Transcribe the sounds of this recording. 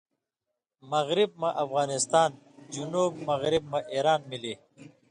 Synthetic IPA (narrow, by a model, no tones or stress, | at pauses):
mɐɣɾib̚maʔɐfɣɑːnɪst̪ɑːn | d͡ʒunuːb̚mɐɣɾɪb̚maʔeːɾaːnmiliː